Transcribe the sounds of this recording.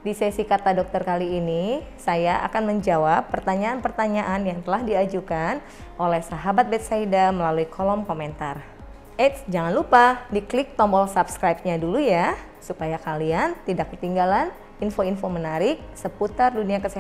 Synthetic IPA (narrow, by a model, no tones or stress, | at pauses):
disɛsikat̪adɔk̚t̪ərkaliːni | sajaʔa̰kanməɲd͡ʒawapːərt̪aɲaːnpərt̪aɲaʔanjaŋt̪əlahdiad͡ʒukan | ʔolɛhsaɦabat̪̚bɛt̪̚saidaməlaluikʰɔlɔmkoment̪ar | ʔɛtsd͡ʒaŋanlupadiklɪk̚t̪ɔmbɔlsabskɾajp̚ɲaduluja | supajakaliant̪idakkət̪iŋɡalan | infoinfomənaɾɪk̚səput̪arduniakəsia